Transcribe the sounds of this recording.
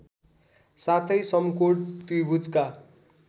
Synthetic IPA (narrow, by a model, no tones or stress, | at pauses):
sat̪ʰʌjsʌmkoʈt̪ibʱud͡zka